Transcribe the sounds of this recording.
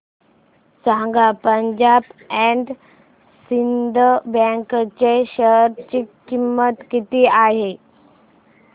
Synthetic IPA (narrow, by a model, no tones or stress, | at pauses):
sãŋɡapəɲd͡ʑabɛɳɖ | sind̪ʱəbɛ̃ŋkt͡ɕeɕəɦɾt͡ɕikimːət̪kit̪iːaɦe